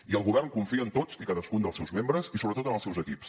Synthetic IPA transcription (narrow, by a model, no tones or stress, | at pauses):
iəlˠɣuβɛrnkuɱfiənt̪ot͡sikaðəskund̪əlˠsɛwzmembɾəzisoβɾət̪ot̪ənəlˠsɛwzəkips